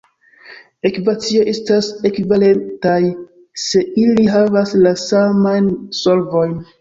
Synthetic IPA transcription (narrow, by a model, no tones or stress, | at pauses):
e̞kivat͡sio̞ʔe̞stase̞kivale̞ntaj | se̞iliɦavaslasamajnso̞lvo̞jn